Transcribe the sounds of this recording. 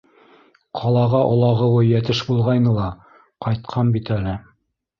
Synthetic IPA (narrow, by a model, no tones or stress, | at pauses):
qʰɑlˠɑʁɑʔŏlˠɑʁɤ̆wɤjæt̪ɘʃbulˠʁɑjnɤlˠɑ | qɑjt̪̚qʰɑnbit̪ælɘ